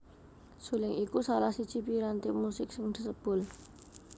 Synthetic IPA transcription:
sulɪŋikusalahsid̥ʒ̥i̤piɾant̪ɪmusɪksəŋd̪̥ə̤səb̥ʊ̤l

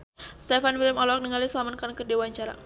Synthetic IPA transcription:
st̪ɛfanwilɪmɔlɔk̚nəŋalisəlamankankədewaɲt͡ʃaɾa̰

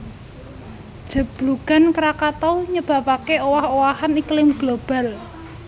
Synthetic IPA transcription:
d̥ʒ̥ə̤b̥luɡ̥a̤nkəɾakat̪ɔɲəb̥a̤pakeowahowahaniklɪmɡ̥lob̥a̤l

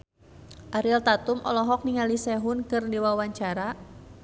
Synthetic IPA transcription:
ʔaɾilt̪at̪ʊmʔɔ̰lɔɦɔk̚niŋalisɛɦʊnkɨrdiwawaɲt͡ʃaɾa

